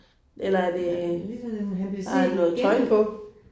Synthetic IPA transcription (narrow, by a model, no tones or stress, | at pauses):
ʔelɐæɐde | nɔ̽ːð̩ˠt͡sʰɒ̽ɪ̰npʰɔ̽